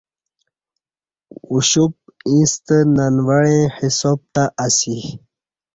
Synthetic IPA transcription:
uɕup̚ĩst̪ənanwaɽẽhisob̚t̪aʔasi

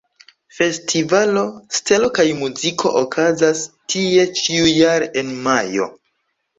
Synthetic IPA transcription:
fe̞stʰivalo̞stelo̞kajmuzikʰo̞̰ʔokʰazastʰie̞t͡ʃiujaɾe̞nmajo̞̰

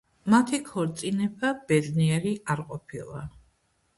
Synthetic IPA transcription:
mat̪ʰikʰɔɾt̪sʼinɛbab̥ɛd̪niɛɾiaɾqʼɔpʰilˠa̰

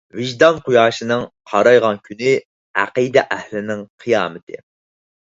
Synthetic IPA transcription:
vɪʒd̪ɑnqʰujɑːʃɨnɨŋqʰɑɾɑjʁɑnkʲʰynɪ | æ̰qɨd̪ɛʔɛhlɪnɪŋqʰɨjɑ̰ːmɨt̪ʰɨ

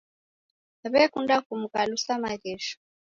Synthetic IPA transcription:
aβɛkundakumukalusamaɣɛʃɔ̥

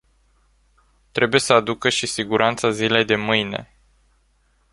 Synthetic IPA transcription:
t̪ɾe̞bujesəad̪ukəʃisiɡuɾʔant̪sazile̞jd̪e̞mɨjne̞̰

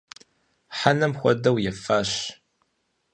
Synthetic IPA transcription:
ħanɐmxʷɔdɐwjɛfaːɕ

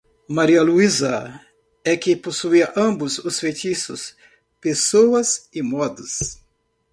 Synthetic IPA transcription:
maɾiɐluizɐ | ɛkɪposuiɐʔɐ̃bʊzʊsfet̪isʊ̰s | pesowɐzɪmɔd̪ɐs

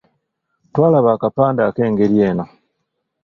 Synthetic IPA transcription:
twaːlaβaːkapaːndakeːŋɡeljeːno

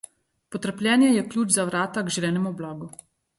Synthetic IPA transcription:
pɔt̪əɾplʲjɛːnjɛjɛklʲjuːt͡ʃzaʋɾaːt̪aɡʒilʲɛːnɛmuɔblaːɡu

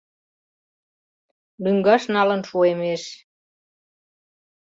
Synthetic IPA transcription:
lyŋɡɑʃnɑlə̆nʃuemeʃ

